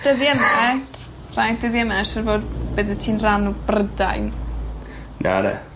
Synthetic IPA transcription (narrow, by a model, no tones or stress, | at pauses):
d̥əðjɛmɛ | rajdəðjɛmɛʃərboːdb̥əðɨtʰiːnranubrədajn | na̰nɛ̰